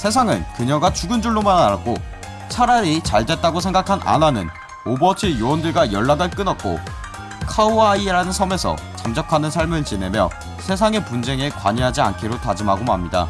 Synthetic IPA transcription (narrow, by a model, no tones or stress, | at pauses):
sʰe̞s̬ʰaŋɯnkɯɲʌɡat͡ɕuɡɯnd͡ʑuɭːomanaɾat̚k͈o | sʰaɾaɾit͡ɕaɭde̞t̚t͈aɡosʰeŋɡakʰanʔa̰nanɯ̰n | obʌt͡ɕʰijoʌndɯɭɡajʌɭːaɡɯɭk͈ɯnʌt̚k͈o̰ | kʰauaiɾanɯnsʰʌme̞sʰʌ̰ | t͡ɕamd͡ʑʌkʰanɯnsʰaɭmɯɭt͡ɕine̞mjʌ̰ | sʰe̞s̬ʰaŋe̞pund͡ʑe̞ŋekwa̰ɲiɦad͡ʑia̰nkʰiɾotad͡ʑɯmaɡomamɲida̰